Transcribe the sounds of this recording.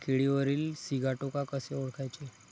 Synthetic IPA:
kʰeɭiʋəɾiːlsiɡʱaʈokakəseoɭkajt͡ɕe

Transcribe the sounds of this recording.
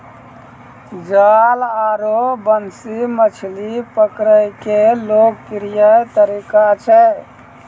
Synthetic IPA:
d͡ʒalaɾobənsimət͡ʃʰlipəkɾəjkelok̚piɾijəjt̪əɾikat͡ʃʰɛ

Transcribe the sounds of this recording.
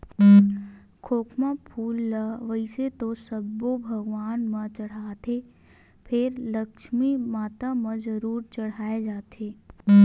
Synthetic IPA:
kʰoːkʰmapʰuːlːəʋəɪset̪osəbːobʱɐɡʋaːnmɐ̃t͡ʃɐɽ̤aːt̪ʰe | pʰɪɾləkʃmimaːt̪amɐ̃zəɾuːɾt͡ʃɐɽ̤aːed͡ʒaːt̪ʰeː

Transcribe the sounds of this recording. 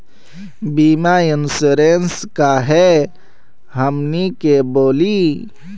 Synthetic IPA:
biːmaɪnsuɾenskaɦɛ | ɦəmnikeboːli

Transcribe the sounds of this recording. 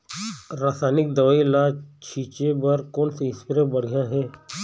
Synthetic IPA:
ɾaːsaːnɪk̚d̪ɐʋaːilat͡ʃʰiːt͡ʃebɐɾkoːnseɪspɾebɐɽ̤jãɦɛː

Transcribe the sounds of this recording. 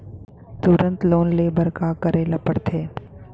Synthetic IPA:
t̪ʊɾənt̪loːnleːbəɾkaːkəɾeːlɐpəɽt̪ʰeː

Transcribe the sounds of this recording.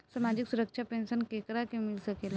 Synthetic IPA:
səɾmad͡ʑiksuɾəkʂʰapensənkekɾakemilsəkela

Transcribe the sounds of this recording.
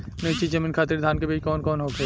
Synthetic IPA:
nɐt͡ʃit͡ʃɐmɪnkʰaːt̪ɪɾd̪ʱaːnkebiːt͡ʃkɔːnkɔːnɦoːke

